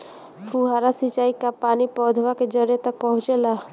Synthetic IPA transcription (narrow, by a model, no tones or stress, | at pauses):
fʰuɦaːɾasit͡ʃaːikapaːnipɔːd̪ʱʋaked͡ʒəɾjet̪ək̚pəɦʊ̃t͡ʃelaː